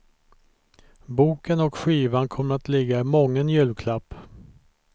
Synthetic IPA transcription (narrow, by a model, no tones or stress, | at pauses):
buːkənɔkɧiːvankʰɔmːəɾat̪lɪɡːaɪmɔŋːənjʉ̟ːlkʰlapː